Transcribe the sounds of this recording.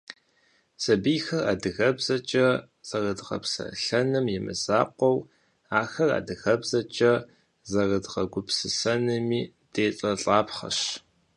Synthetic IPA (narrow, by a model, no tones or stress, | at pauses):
sɐbijxɐra̰ːdɨɣɐbz̥ɐt͡ʃʼɐ | z̥ɐrɨdʁɐ̰psɐ̰ɬɐnɨmjɪmɨ̰z̥aːqʷɔw | aːxɐra̰ːdɨɣɐbzɐt͡ʃʼɐ | zɐrɨdʁɐɡʷʊpsɨsɐnɨmiː | d̥eːt͡sʼɐɬʼaːpχɐ̰ɕ